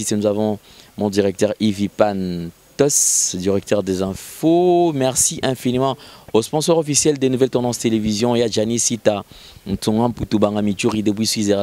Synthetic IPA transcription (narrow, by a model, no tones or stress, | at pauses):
isenuzavɔ̃ | mɔ̃d̪iʁɛk̚t̪œʁivipant̪ɔsd̪iʁɛk̚t̪œʁd̪ezɛ̃fomɛʁsiʔɛ̃finimɑ̃ospɔ̃sɔʁɔfisjɛld̪enuvɛlt̪ɑ̃d̪ɑ̃st̪elevizjɔ̃eaʒanisit̪a | n̩t̪ũŋãput̪ubãŋamit͡ʃuʁid̪ebwiswizeʁ